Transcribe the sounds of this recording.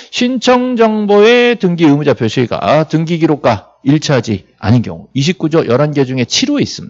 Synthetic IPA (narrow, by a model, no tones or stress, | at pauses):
ɕʰint͡ɕʰʌŋd͡ʑʌŋboe̞tɯŋɡiɯmud͡ʑapʰjoɕʰiiɡa̰tɯŋɡiɡiɾok̚k͈a | iɭt͡ɕʰaɦad͡ʑi | a̰nɯnɡjʌ̰ŋuiɕ̬ʰip̚k͈ud͡ʑʌjʔʌɾanɡe̞d͡ʑuŋe̞t͡ɕʰiɾoeis͈ɯmɲidḁ